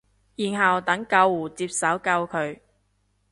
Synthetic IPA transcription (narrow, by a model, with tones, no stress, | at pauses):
jiː˨˩nɦɐ˨wt̪ɐ˨˥ŋkɐ˧wːuː˨˩t͡siː˧p̚sɐ˨˥wkɐ˧wkʰɵ˨˧ɥ